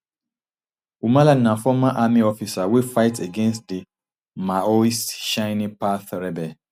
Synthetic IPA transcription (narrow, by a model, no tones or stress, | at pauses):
umãlanãfɔmãʔamĩɔfisawefaɪteɡɛ̃nstdi | maoisʃãɪnĩpaθɾɛbɛ